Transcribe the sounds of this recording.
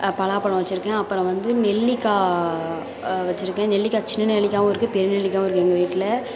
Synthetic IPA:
pɐɭaːpɐɭɐ̃ʋɐt͡ʃːɪɾɯkːɛ̃ɐpːɯɾɔ̃ʋɐnd̪ɯnɛɭːɪkːaː | ʋɐt͡ʃːɪɾɯkːɛ̃ːnɛɭːɪkːaːt͡ʃɪnːɐnɛɭɪkʲːaːmɐɪɾɯkːɯpɛɾɯnɛɭːɪkːaːmɪɾɯkːɯɛŋɡɐʋiːʈːlɐ

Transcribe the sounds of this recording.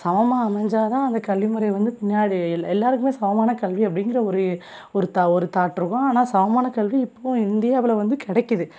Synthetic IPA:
sɐʋɐmaɐmɐɲd͡ʒaːt̪ãːɐnd̪ɐkɐlʋimɯɾɐɪʋɐnd̪ɯpɪnːɪjaːɽiɛlːaːɾɯkːɯmeːsɐʋɐmaːnɐkɐɭʋiɐpːɐɽɪŋɡɪɾɐɔɾɯ | ɔɾɯt̪aɔɾɯt̪aːʈːɾɯɣõaːnaːsɐʋɐmaːnɐkɐlʋiɪpːõːɪnd̪ɪjaːʋɪlɐʋɐnd̪ɯkɪɽɛkːɯðɯ

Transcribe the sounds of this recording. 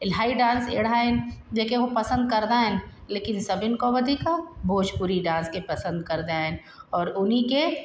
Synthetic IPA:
laːiɖãːnsḛɽ̤aend͡ʒekeɦopɐsə̃nd̪̚kəɾd̪aɦɛ̃n | leːkɪnsɐbɪnkoʋɐd̪ʱikabʱoːd͡ʒpuɾiɖãːnskepɐsə̃nd̪kɐɾd̪aɛ̃n | ɔːɾʊnɦike

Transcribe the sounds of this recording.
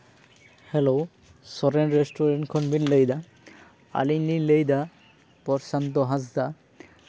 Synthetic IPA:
hɛlow | sɔɾɛnɹestʰɔɹɛntkʰɔnbinlejd̪a | a̰lililejd̪a | pɔɹsant̪ɔɦãzd̪a

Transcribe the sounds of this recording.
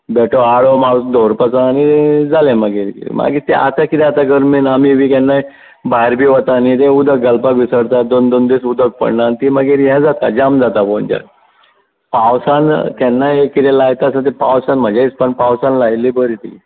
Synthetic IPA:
bɛʈʰoaɭomaɽusd̪oɾpəsãːnid͡zalẽməɡeɾkḭḭmʔa̰ɡit̪ɛ̰̃ʔa̰t̪akit̪ɛ̃at̪aɡəɾmiːnamiʋikɛnːai | baɦiɾbʱiːʋət̪anit̪ẽud̪ək̚ɡəlpakʋisəɽt̪ad̪ond̪ond̪esud̪ək̚pə̰ɳnant̪iməɡeɾjãd͡zat̪a̰d͡ʑamd͡zat̪apond͡ʑa̰k̚ | pawsant̪ɛnːaekit̪ɛ̃lajt̪asãt̪epawsanm̤əd͡ʑait͡spəɳpawsãnlajlibəɾit̪ḭ

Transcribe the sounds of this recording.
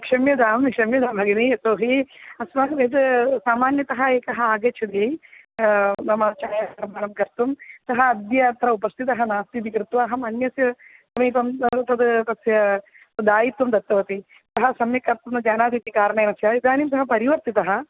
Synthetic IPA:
kʂɐmjɐd̪aːmikʂɐmjɐd̪aːbʱɐɡɐniɐt̪oːɦiɐsmɐkʋeɐd̪saːmaːnjɐt̪ɐɦɐeːkɐɦɐaːɡɐt͡ʃʰɐd̪i | nɐmɐt͡ʃaːjaɐɾɐmaːnɐmkɐɾt̪umt̪ɐɦɐːd̪jɐt̪ɾɐupɐst̪ʰit̪ɐɦɐnaːst̪it̪ikɾɪt̪ʋaːɦɐmɐnjɐsjɐ | sɐmiːt̪ɐmt̪ɐd̪t̪ɐsjɐ | ɐd̪aːjit̪ːumd̪ɐt̪ːɐʋɐt̪i | t̪ɐɦɐsɐmjɐkɐɾt̪umd̪ɐd͡ʒaːnaːd̪iːt̪ikaːɾɐɳɐːnɐsjɐid̪ʱaːnimsɐɦɐpɐɾiʋɐɾt̪it̪ɐɦɐ

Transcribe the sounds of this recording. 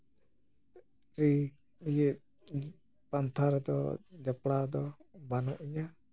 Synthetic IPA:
ɾi | ije | pant̪ʰaɾɛd̪ɔ̰d͡ʒapɽad̪ɔbanɔʔiɲa

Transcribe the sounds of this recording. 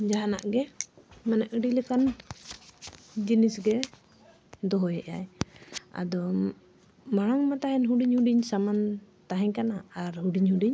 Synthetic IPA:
d͡ʒaɦanaʔɡɛmanɛʔəɖiləkan | d͡ʒinisɡɛ | d̪ɔɦɔjɛʔja̰j | a̰d̪ɔ | maɽ̃aŋmat̪aɦɛnɦuɖiɲhuɖiɲsamant̪aɦɛɲkanaaɾɦuɖiɲɦuɖiɲ

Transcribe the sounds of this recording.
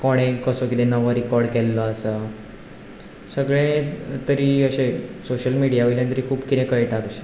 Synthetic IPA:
kɔɽ̃ẽkəsokid̪ɛ̃nəʋəɾikɔɾɖkɛlːɔəsə | səɡɭẽt̪əɾiːəɕesoɕəlmiɽijaojlant̪əɾikʰuːbkit̪ẽkəjʈakəɕe̥

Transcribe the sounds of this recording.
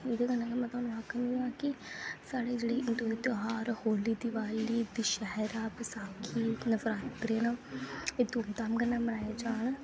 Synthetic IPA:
ɪd̪eɡənãːkemɛ̃ːt̪oaːnũːɦakʰːnĩaːkɪsaːɽeːd͡ʒeːɽeːɪnt̪oet̪oɦaːɾhoːliːd̪ɪʋaːiliːd̪iʃɛɦɛɾaːpəsaːkʰːiːnəfɾaːt̪pɾeːnaet̪oːmt̪aːmɡənːãːmənaːjeːd͡ʒaːɳ

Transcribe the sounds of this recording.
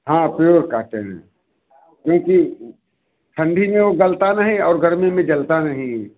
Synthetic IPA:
ɦãːpjoːɾkɐɦt̪eɦɛ̰̃ | kjõːki | ʈʰɐ̃ɳɖʱimẽʋoɡɐlt̪anɐɦĩɔːɾɡʱɐɾmẽmẽd͡ʒɐlt̪anɐɦĩ

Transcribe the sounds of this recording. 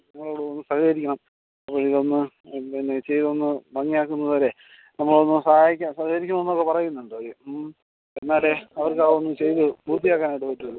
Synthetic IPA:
nɐmːɐɭoːɽeonːɨsɐhɐjɐɾikʲːɐɳɐm | ɐpːoːɻiðo̞nːɨ | enːet͡ɕe̞jt̪o̞nːɨbɐŋːijaːkːunːɐðoːɾe̞ | nɐmːɐɭo̞nːɨsɐhaːjikʲːasɐhɐɐɾikʲːunɐonːokːe̞pɐrɐjunːuɳɖoe | e̞nːaːleɐʋɐrkaːonːɨt͡ɕe̞jt̪ɨbuːt̪ːijaːkːaːnajɽupɐtːɐðɨ

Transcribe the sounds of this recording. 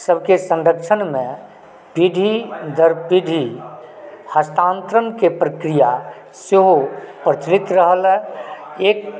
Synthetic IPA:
səbʱkesə̃nɖəkʃʰənmẽ | pid̪ʱid̪əɾpid̪ʱi | həst̪ãːnt̪ɾənkepɾəkɾija | seɦopɾət͡ʃlit̪ɾəɦəlɛeːk̚

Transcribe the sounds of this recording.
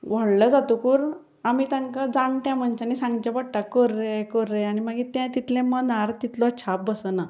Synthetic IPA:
ʋəɽləd͡zat̪ukuːɾ | amit̪ãŋkad͡zãnʈ̪jãm̤əɳt͡ɕãnisãŋɡt͡ɕãpəɽʈakəɾːekəɾːeaɽ̃iməɡit̪jãt̪it̪lẽmənaɾt̪it̪lɔt͡ɕʰap̚bəsəna

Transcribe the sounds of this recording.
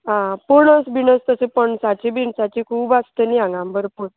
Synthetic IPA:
ɦãpuɳəsbinəst̪əsepəɳsat͡ɕibinsat͡ɕikʰuːbast̪əniãŋɡãmbəɾpuɳ

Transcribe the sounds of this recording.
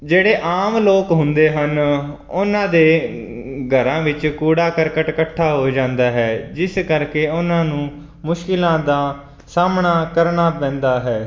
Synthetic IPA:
d͡ʒeːɽeːʔaːmloːkɦʊ̃nd̪eːɦən | ʊnãːd̪eː | ɡʱəɾãːʋɪt͡ʃkuːɽaːkəɾkəʈkəʈʰːaːɦoːd͡ʒãːnd̪aːɦɛːd͡ʒɪskəɾkeːʊnãːnũː | mʊʃkɪlãːd̪aː | saːmɳaːkəɾɳaːpɛ̃ːnd̪aːɦɛː

